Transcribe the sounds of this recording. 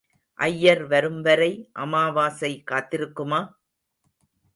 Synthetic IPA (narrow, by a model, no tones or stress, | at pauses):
ʔɐjːɐɾʋɐɾɯmʋɐɾɐɪʔɐmaːʋaːsɐɪkːaːt̪ːɪɾɯkːɯmaː